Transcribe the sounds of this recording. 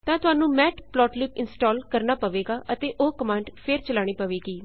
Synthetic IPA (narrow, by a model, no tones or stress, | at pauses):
t̪ãːt̪ʊaːnũːmɛːʈplɔːʈlɪpɪnsʈɔːlkəɾnaːpəʋeːɡaːʔət̪eːʔoːkəmãːɳɖpʰeɾt͡ʃəlaːɽ̃iːpəʋeːɡiː